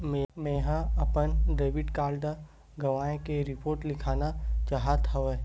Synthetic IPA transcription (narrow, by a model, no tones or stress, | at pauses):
memẽːɦãɐpənɖeːʋɪɖkaːlɖa | ɡɐʋaːẽkeɾɪpoːɾʈlɪkʰaːnat͡ʃaːɦat̪ʰaʋɛ